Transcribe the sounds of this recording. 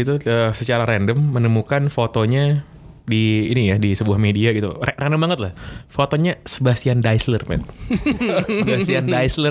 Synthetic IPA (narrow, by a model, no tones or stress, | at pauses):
it̪uəsət͡ʃaɾaɾɛndəmːənəmukanfot̪oɲa | diːnijadisəbuahmediaɡit̪ṵrɛndəmbaŋət̪lahfot̪oɲasəbast̪iandajslərpɛ̰t̪ | sbast̪iandaislə